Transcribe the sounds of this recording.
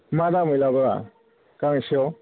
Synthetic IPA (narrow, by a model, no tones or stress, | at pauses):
madamɯjlabaɾa̰ | kaŋsiɔ